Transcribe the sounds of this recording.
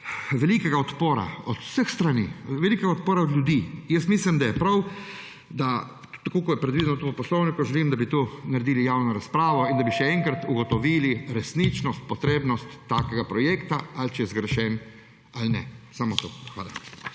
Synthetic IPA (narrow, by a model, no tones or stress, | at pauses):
ʋɛlikɛɡaɔt̪poːɾa̰ɔt̪səxst̪ɾaniʋɛlikɛɡaɔt̪̚poːɾaɔd̪lʲjud̪ijəst̪miːslimd̪ajɛpɾaw | d̪a | t̪akokɔjɛpɾɛd̪ʋid̪ɛnɔt̪upɔslɔwnikuʒɛlimd̪abit̪unaɾed̪iːlijaːwnɔɾaspɾaːʋɔind̪abiʃɛɛŋkɾat̪uɡɔt̪ɔʋiːliɾɛsnit͡ʃnɔst̪̚pɔt̪ɾeːbnɔst̪ːaːkɛɡapɾɔjekt̪aalt͡ʃɛjɛzɡɾɛʃɛn | alnɛsamɔt̪o̰xʋa̰ːla̰